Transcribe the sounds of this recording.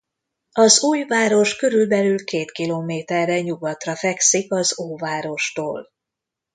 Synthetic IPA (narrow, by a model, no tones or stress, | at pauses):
ɒzuːjvaːɾo̞ʃkø̞ɾylbɛlylkeːt̪kiloːmeːt̪ɛrːɛɲuɡɒt̪rɒfɛksikɒzoːvaːɾo̞ʃt̪oːl